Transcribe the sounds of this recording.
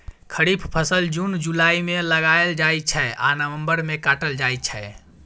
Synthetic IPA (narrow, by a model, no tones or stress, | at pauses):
kʰəɾipʰpʰəsəld͡ʒund͡ʒulaimẽləɡajeld͡ʒaj̚t͡ʃʰɛʔa̰nəʋə̃mbəɾmẽkaʈəld͡ʒajt̪t͡ʃʰɛ